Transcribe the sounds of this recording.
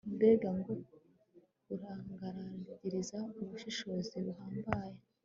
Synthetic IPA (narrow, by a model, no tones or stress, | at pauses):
unde̞ːɡaŋɡo | kuɾaːŋɡaɾaɟiɾizauβuʃiʃo̞ːziβuɦaːmbaje